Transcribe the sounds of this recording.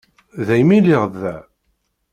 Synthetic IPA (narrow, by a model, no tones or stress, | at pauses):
ðæjmiliʁðːæ